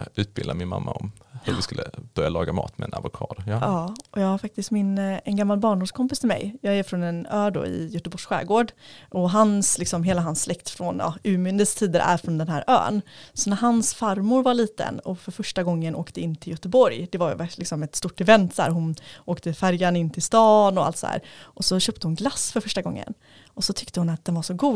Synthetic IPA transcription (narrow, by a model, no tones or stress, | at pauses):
ʉ̟ːt̪̚bɪld̪amɪnma̰mːaɔmhɵɾvɪskɵlːə̰b̥œɾjalɑːɡamɑ̰ːt̪mɛɛnavʊkʰɑːd̪ɑːʔɔjɑːɡhaɾfak̚t̪ɪst̪mɪnɛnɡamːalbɑːɳɖʊmʂkʰɔmpɪst̪ʰɪlmɛ̰jjɑːɡæɾfɾɔnɛnœːɖo̰ɪ̰jœt̪əbɔʂɧæ̰ːɡoːɖʔɔɦanslɪksɔmɦeːlaɦansːlɛkt̪fɾɔnɑ̰ʉ̟ːmʏnd̪əst̪ʰiːd̪əɾʔæ̰ɾfɾɔnd̪ɛnɦæːɾʔø̰ːnsɔnæɾɦansfaɾmʊɾvaɭiːt̪ə̰nɔfœɾfœʂʈaɡɔŋːənʔoːkt̪əɪnːt̪ʰɪljœt̪əbɔɾjd̪ɛvaɾj̰vælɪksɔmɛt̪st̪uːʈɛvɛnt̪dæ̰ːɾɦʊnoːkt̪əfæɾjanɪnːt̪ʰɪlst̪ɑːnɔa̰lt̪shæ̰ːɾʔɔsɔɕœːp̚t̪əhʊnɡlasːfœɾfœʂʈaɡɔ̰ŋːə̰n | ʔɔsɔt̪ʰʏkt̪əhʊnat̪̚d̪ɛnvaʂɔɡuː